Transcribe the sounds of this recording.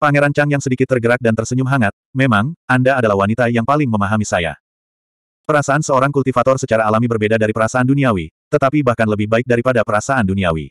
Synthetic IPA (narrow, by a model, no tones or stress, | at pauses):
paŋeɾant͡ʃaŋjaŋsədikɪt̪ːərɡəɾak̚dant̪ərsəɲumɦaŋat̪̚memaŋandaːdalahwanit̪ajaŋpalɪŋməmaɦamisaja̰ | pəɾasaansəoɾaŋkult̪ifat̪ɔrsət͡ʃaɾaːlamibərbedadaɾipəɾasaanduniawit̪ət̪apibahkanləbɪhbaɪk̚daɾipadapəɾasaʔanduniawḭ